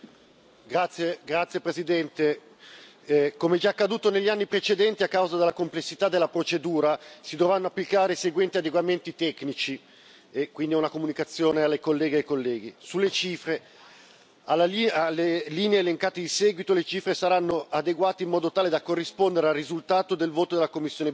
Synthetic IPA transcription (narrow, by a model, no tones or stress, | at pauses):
ɡɾat̪sːjeɡɾat̪sːjepɾezid̪ɛnt̪e | komeɛd͡ʒaːkːad̪uːt̪oneʎːianːipɾet͡ʃed̪ɛnt̪iakːawzad̪elːakomplesːit̪ad̪elːapɾot͡ʃed̪uːɾasid̪ovɾanːoapːlikaːɾeseɡwɛnt̪iad̪eɡwament̪it̪ɛknit͡ʃi | ekwind̪iɛunakomunikat̪sːjoːnealːekolːɛːɡeajkolːɛːɡisulːet͡ʃiːfɾe | alːaialːeliːneeːleŋkaːt̪ed̪isɛːɡwit̪olet͡ʃiːfɾesaɾanːoad̪eɡwaːt̪eimːɔːd̪ot̪aːled̪akorːispond̪eɾealrizult̪aːt̪od̪elvoːt̪od̪elːakomːisːjoːne